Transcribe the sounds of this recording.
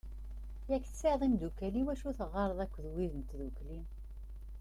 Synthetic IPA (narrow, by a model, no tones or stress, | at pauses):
jækːθseðˤimd̪ukæliwæʃuθəʁːɑɾˤðˤækʷːðwiðənt̪ðukli